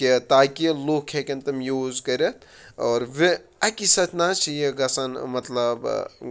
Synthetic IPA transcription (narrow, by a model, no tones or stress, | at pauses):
kit̪aːkiloːkʰekʲɐnt̪ɐmjoːzkɐɾʲɐt̪ʰ | ɔːɾʋe | ɐkisɐt͡ʃnaːt͡ʃʰijeɡɐsɐnmɐt̪lɐb